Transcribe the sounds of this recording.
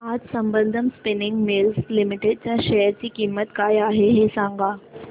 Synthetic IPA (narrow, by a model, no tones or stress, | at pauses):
aːd͡ʑsɐ̃mbə̃nd̪ʱəmspɪnɪ̃ŋɡmeːlslɪmɪʈeɖt͡ɕãʃɛjəɾt͡ɕikiːmːət̪kaːjaːɦeɦesãːŋɡaː